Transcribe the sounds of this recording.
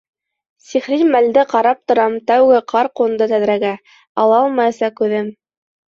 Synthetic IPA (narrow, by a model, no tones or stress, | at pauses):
siχɾimæld̪ɘqɑɾɑp̚t̪ŏɾɑmt̪æwɡɘqʰɑɾqŭnd̪ɤt̪æðɾæɡæ | ɑ̰lˠɑlˠmɑjɤsɑkʉðɘm